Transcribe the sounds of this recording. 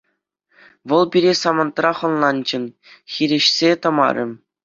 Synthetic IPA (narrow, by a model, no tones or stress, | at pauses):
ʋɤ̆lˠpʲiɾʲesɑmɤ̆nt̪rɑχɤ̆nlˠɑnd͡ʑɘ̆n | xʲiɾʲɘ̆ɕsʲet̪ɤ̆mɑ̰ɾʲɘ̆